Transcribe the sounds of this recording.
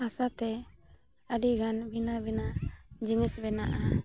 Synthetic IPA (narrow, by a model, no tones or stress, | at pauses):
asat̪ɛ | əɖiɡanbinabinad͡ʒinisbɛnaʔa